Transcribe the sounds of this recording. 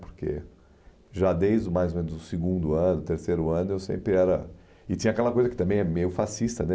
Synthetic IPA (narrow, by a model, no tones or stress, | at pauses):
pʊ̥ɾkḛ | ʒad̪ejzd̪ʊmajzomẽnʊzʊsɪɡũnd̪ʊɐ̃nʊt̪eɾsejɾʊɐ̃nʊewsḛ̃mpɾɪɛɾɐ | ɪt̪ĩɲɐakɛlɐkojzɐkɪt̪ɐ̃mbẽj̃ɛmejʊfasist̪ɐnɛ